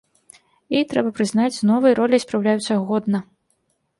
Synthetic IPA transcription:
it̪ɾɛbɐpɾɨznat͡sʲnɔvɐjɾɔlʲijspɾawlʲajut̪sʲɐɣɔd̪nɐ

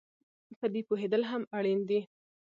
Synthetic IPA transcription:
pəd̪epoɦed̪əlɦamaɽind̪i

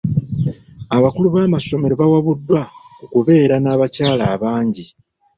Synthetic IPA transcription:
aβakuluβaːmaso̞me̞ɾoβawaβudːwaokuβe̞ːɾanaːβacaːlaːβaːɲɟi

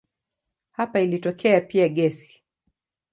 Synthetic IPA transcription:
hapailitɔkʰɛapiaɠɛsi̥

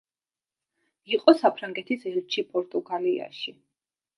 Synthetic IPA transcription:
iqʼɔsapʰɾaŋɡɛt̪ʰisɛlt͡ʃʰipʼɔɾt̪ʼuɡalia̰ʃi

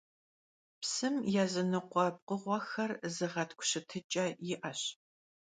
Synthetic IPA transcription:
psɨmjaːzɨnɨqʷɔb̚qəʁʷɔxɐrzɨʁɐtʰkʷʰʊ̥ɕɪtʰɨt͡ʃʼɐjɪʔɐɕ

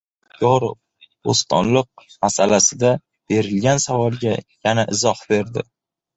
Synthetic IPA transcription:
jɒɾ | ost̪ʰɒ̰nlɨq̚masalasɪd̪a | b̥e̞ɾɪlɡʲansavɒlˠɡʲajanaʔɪzɒhbe̞ɾd̪ɪ

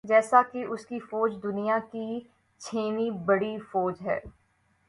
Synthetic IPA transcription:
d͡ʒɛːsakiʔʊskifɔːd͡ʒd̪ʊnijaki | t͡ʃʰeːnibɐɽifɔːd͡ʒɦɛ̰ː

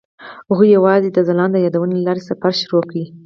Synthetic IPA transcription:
hʊɣujawɑzed̪əzalɑnd̪əjɑd̪awənelalɑɾesaafaɾʃʊɾokawi

